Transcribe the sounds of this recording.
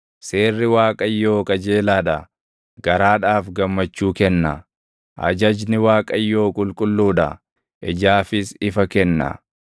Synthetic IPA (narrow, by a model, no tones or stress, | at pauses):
se̞ːrːɪwaːkʼɐjːo̞ːkɐd͡ʒe̞ːlaːᶑɐ | ɡ̥ɐɾaːᶑaːfɡɐmːɐt͡ʃːuːkɛnːɐ | ʔɐ̰d͡ʒɐd͡ʒnɪwaːkʼɐjːo̞ːkʼʊlkʼʊlːuːᶑɐ̰ | ʔɛd͡ʒaːfɪsɪfɐkɛnːɐ̰